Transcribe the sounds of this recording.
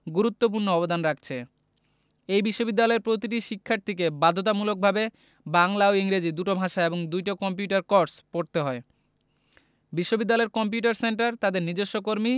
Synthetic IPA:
ɡuɾut̪ːopuɾnoɔbod̪anɾak̚ʰt͡ɕʰe | ejbiʃːobid̪ːalɔeɾpɾot̪iʈiʃikʰːaɾt̪ʰik̬ebad̪ʱot̪amulok̚bʱabe | baŋlaoiŋɾed͡ʑid̪uʈobʱaʃaeboŋd̪ujʈakɔmp̬juʈaɾkɔɾɖspoɽt̪eɦɔe | biʃːobid̪ːalɔeɾkɔmp̬juʈaɾseɳʈaɾt̪ad̪eɾnid͡ʑeʃːokoɾmi

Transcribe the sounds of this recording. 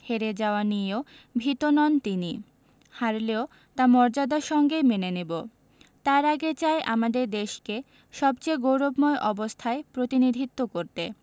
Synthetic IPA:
heɾed͡ʑaoanijo | bʱit̪onɔnt̪ini | haɾleo | t̪amɔɾd͡ʑad̪aʃɔŋɡemenenebo | t̪aɾaɡet͡ɕaeʔa̰mad̪eɾd̪eʃke | ʃɔbt͡ɕejɡowɾobmɔeʔɔbost̪ʰaepɾot̪inid̪ʱit̪ːokoɾt̪e

